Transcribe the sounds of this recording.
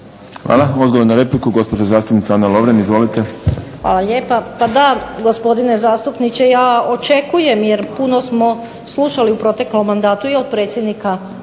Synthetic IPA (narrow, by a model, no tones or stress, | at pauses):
xʋa̰lˠao̞d̪ɡoʋoɾnaɾe̞plikuɡo̞spod͡ʒazaːst̪upnit̪aaːnːalˠo̞ʋɾenizʋo̞lit̪e̞xʋa̰ːlˠaʎe̞ːpapad̪aɡospo̞d̪ine̞zaːst̪upnit͡ʃejaːot͡ʃe̞kuje̞mjeɾpunosmo̞ | slˠuʃaliupɾo̞t̪eklomːand̪aːt̪uio̞d̪̚pɾet̪sjed̪nika